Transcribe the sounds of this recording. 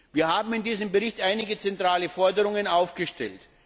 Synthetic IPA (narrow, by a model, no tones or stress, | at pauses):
viːɐhaːbm̩ɪndiːzəmbəʁɪçtʔaɪnɪɡət͡sɛntʁ̥aːləfɔɐdəʁʊŋənʔaʊfɡ̥əʃtɛ̰lt